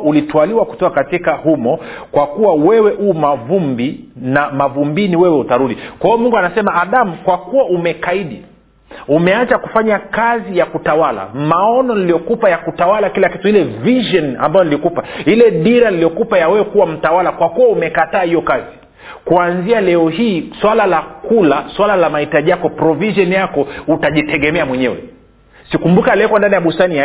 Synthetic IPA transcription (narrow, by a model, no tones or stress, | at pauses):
ulitwaliwaku̥tɔkakatikahumɔkwakuwawɛwɛʔuːmavumbinamavumbiniwɛwɛutaɾuɗikwaiɔmuŋɡuanasɛmaʔːɗamukwakuwaumɛkaiɗi | umɛat͡ʃakufaɲakazijakutawala̰maɔnɔnilijɔkupajakutawalakilakituilɛviʒɔna̰mbajɔnilikupailɛɗiɾanilijɔkupajawɛwɛkuwam̩tawalakwakuwaumɛkataːhijɔkazi | kuanzialɛɔhiːswalalakulaswalalamahitaʄijakɔpɾɔviʒɔnjakɔutaʄitɛɠɛmɛamwɛɲɛwɛ̰ | sikumbukalɛkwandanijaɓustania